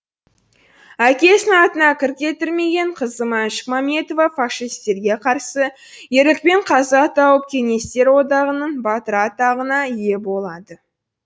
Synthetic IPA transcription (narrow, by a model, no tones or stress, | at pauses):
ækʲe̞sɪnɑt̪ənɑkʲʰɪɾkʲe̞t̪ɪɾme̞ɡʲe̞ɴqʰəzəmænʃə̥kmɑme̞t̪o̞vɑfɑʃist̪e̞ɾɡʲe̞qʰɑɾsə | je̞ɾɪk̚pe̞ɴqʰɑzɑt̪ʰɑwəp̚kʲʰe̞ŋe̞st̪e̞ɾwo̞d̪ɑʁənənbɑt̪əɾɑt̪ɑʁənɑije̞bo̞lˠɑd̪ə